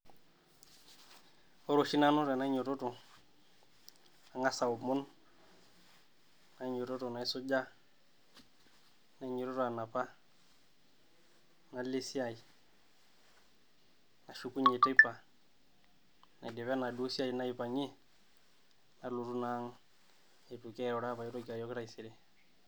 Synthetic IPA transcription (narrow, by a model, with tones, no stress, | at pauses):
o˦ɾo˨ʃi˦na˦no˦ta˨na˦ɲo˨to˦to˨ | a˨ŋa˦sa˨o˨mo˦n | na˨˦ɲo˨tɔ˦to˨na˨i˦so˦d͡ʒa˦ | na˨˦ɲɔ˨ɾɔ˦tɔ˨a˨na˨pa˦ | na˨le˦si˦a˨i˨ | na˨ʃu˦ku˦ɲe˨te˦pːa˨ | na˨dɪ˨βɛ˦na˨du˦si˦a˦i˨na˦i˨pa˨ɲi˦ | na˨lu˨tu˦na˦ŋ | e˨tu˨kɛ˦ɾɔ˨ɾa˦pa˨jo˦to˦ka˨jɔ˦kɾa˦i˨si˨ɾe˦